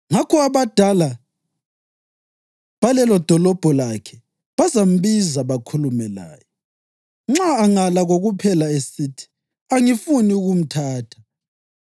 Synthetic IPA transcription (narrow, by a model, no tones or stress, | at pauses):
ŋakʰɔaβad̥ʱala | βalɛlɔd̥ʱɔlɔb̥ʱɔlakʰɛ | βazam̩βizaβakʰulumɛla̰ːjɔ | ŋ͡ǁaːŋalaɣoɣupʰɛlaesiːtʰi̥ | aŋifuniuɣum̩tʰaːtʰḁ